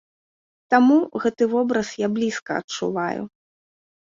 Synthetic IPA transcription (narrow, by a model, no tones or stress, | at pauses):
t̪amuɣɛt̪ɨvɔbɾɐsjablʲiskɐ̰ɐ̰t͡ʂṵvajṵ